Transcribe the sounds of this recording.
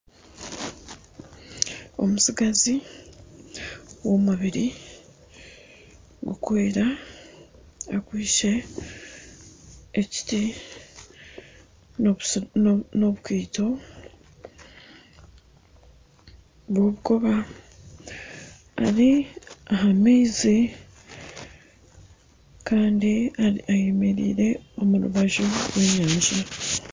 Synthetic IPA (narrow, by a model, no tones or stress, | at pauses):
o̞̰musiɡazi | womuβiɾi | ɡukweːɾa | akwiːʃe̞ | ci̥ti | noβukiːto̞ | βwoβuko̞βa | a̰ɾiaɦamiːzi | kaːndiaajemeɾḭːɾe̞o̞muɾṵβaʒoɾwe̞ːɲaːɲd͡ʒa